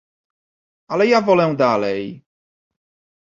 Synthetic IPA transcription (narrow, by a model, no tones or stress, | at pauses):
alɛjavɔlɛw̃d̪alɛj